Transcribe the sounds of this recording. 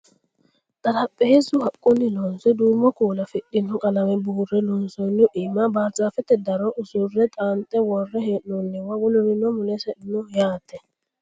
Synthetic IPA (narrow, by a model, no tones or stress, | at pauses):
t̪ʼɐɾɐpʼːeːzʊhɐkʼːʊnːɪlɔnsɛd̪uːmːɔkuːlɐfɪɗːɪnːɔkʼɐlɐmɛbuːrːɛlɔnsɔjnːʊʔɪmːabaːɾd͡ʒʼaːfɛt̪ːɛd̪ɐɾɔʔʊsʊrːɛt̪ʼaːnt̪ʼːɛwɔrːɛheːʔnɔnːɪwɐwʊlʊɾɪnːɔmʊlɛsɛʔɪnɔjaːt̪ːɛ